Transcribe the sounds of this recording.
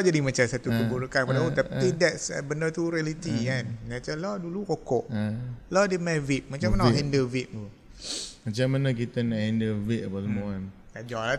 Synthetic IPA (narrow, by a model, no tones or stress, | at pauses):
ɔd͡ʒadimat͡ʃasat̪ut̪ubuɾəkanpadaut̪apt̪idɛtsbəndət̪uɾialit̪ikannat͡ʃalɔdulukokɔʔlɔdemãvit̪̚mat͡ʃãmanɦɛndəvit̪̚tu | mat͡ʃamːanak̬it̪ənaʔhɛndəvit̪̚əbasəmoan | kad͡ʒɔla